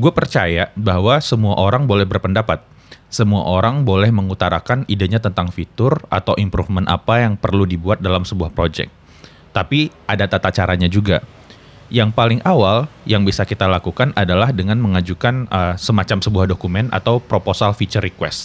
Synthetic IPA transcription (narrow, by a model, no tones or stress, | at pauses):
ɡuapərt͡ʃajabaɦwasəmuaʔoɾaŋbolɛhbərpəndapat̪̚ | səmua̰ʔoɾaŋbolɛhməŋut̪aɾakanidaɲat̪ənt̪aŋfit̪ʊrʔa̰t̪awʔimpɾufmənʔa̰pajaŋpərludibuat̪̚dalamsəbuahpɾod͡ʒɛ̰k̚ | t̪apiʔadat̪at̪at͡ʃaɾaɲad͡ʒuɡa | jaŋpalɪŋʔawaljaŋbisakit̪alakukanadalahdəŋanməŋad͡ʒukanəsəmat͡ʃamsəbuahdokumɛna̰t̪awpɾoposalfit͡ʃərikwɛ̰st̪